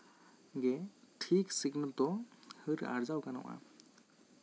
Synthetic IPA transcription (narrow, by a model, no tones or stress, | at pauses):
ɡɛʈʰiksiɡnəlt̪ɔhɯɾa̰ɾd͡ʒawkanɔ̰ʔa̰